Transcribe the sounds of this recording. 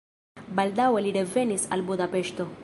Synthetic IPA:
baldawe̞liɾe̞ve̞nisa̰lbud̪ape̞ʃto̞

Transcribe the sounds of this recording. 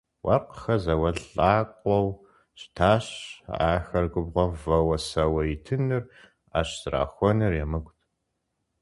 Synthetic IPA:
wʔɐ̰rqxɐzɐwɐɮʼaːqʷʼɔw | ɕtʰaːɕa̰ːxɐrɡʷʊbʁʷɔvɐwɐsɐwɐjitʰɨnɨr | a̰ːɕz̥ra̰ːxʷɔnɨrjɛmɨɡʷtʰ

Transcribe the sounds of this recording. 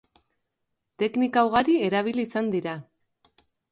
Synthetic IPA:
t̪e̞knikawɣaɾie̞ɾaβ̞iliːsand̪iɾa

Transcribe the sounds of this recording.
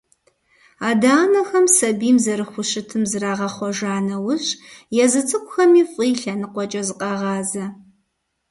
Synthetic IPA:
aːdaːnɐxɐmsɐbiːmzɐɾɨxʷʊɕɪtʰɨmzɨraːʁɐχʷɔʒaːnɐwʊɕʼjɛzɨt͡sʼɨkʷʼʊxɐmiːfʼiːɬɐnɨqʷɔt͡ʃʼɐzɨqʼɑʁɑːzɐ

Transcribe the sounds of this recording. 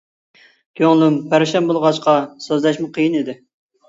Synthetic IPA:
kʲʰøŋlˠʊmpʰæɾʃɛmbolˠʁɑʃqɑsøzlɛʃmɨqʰəjinid̪ɪ

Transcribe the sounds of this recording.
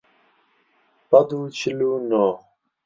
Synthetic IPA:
pɐd̪ut͡ɕʰiluno

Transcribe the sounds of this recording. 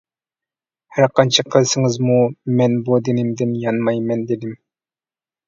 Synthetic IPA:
hæɾqɑnt͡ʃʰɑqʰəlˠsɨŋɨzmumɛnbud̪ɪnɪmd̪ɪnjɑnmɑjmɛnd̪ed̪ɪm

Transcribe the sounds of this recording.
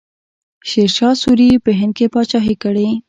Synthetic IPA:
ʃeɾʃɑsuɾipəɦɪnd̪̚kepɑt͡ʃɑɦikəɽi

